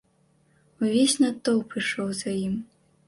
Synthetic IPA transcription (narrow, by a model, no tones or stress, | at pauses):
uvʲesʲnat̪ːɔwpɾɨʂɔwzajim